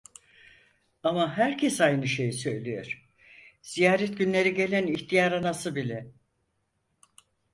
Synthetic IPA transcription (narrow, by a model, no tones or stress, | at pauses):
amaɦæɾcʰesajnɯʃe̞jsø̞jlʲijo̰ɾ̥ | z̥ijaːɾɛt̪̚ɟynlʲe̞ɾiɟe̞lʲæniçt̪ʰijaɾanasɯbilʲɛ